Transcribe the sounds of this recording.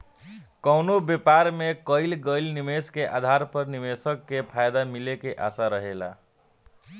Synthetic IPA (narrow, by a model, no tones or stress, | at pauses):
kəwnobepaɾmekəɪlɡəɪlnimeskeʔa̰d̪ʱaɾpəɾnimesəkːepʰajd̪amilekeʔasaɾəɦela̰